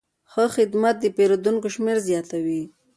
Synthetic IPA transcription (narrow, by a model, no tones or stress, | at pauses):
xəxɪd̪mat̪̚d̪əpeɾod̪uŋkoʃmeɾzjɑt̪awi